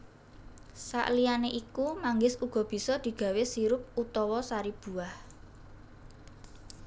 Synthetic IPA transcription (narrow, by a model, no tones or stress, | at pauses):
sa̰ʔlijaneʔikumaŋɡɪsuɡ̥ɔ̤b̥i̤sɔd̪̥i̤ɡ̥ä̤wesiɾʊp̚ut̪ɔwɔsaɾib̥ṳah